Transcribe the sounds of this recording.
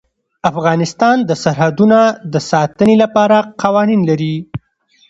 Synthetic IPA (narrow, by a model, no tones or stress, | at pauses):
afɣɑnɪst̪ɑnd̪əsaɾɦad̪unad̪əsɑt̪ənelapɑɾaqʰɑwɑninlaɾi